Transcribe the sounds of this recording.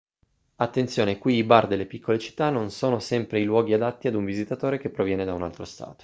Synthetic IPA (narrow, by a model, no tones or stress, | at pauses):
at̪ːent̪sjoːnekwiːbard̪elːepikʰːolet͡ʃi̥t̪ːanːonsoːnosɛmpɾeilwɔːɡiad̪at̪ːiad̪uɱvizit̪at̪oːɾek̟epːɾovjɛːned̪aunalt̪ɾost̪a̰ːt̪o̥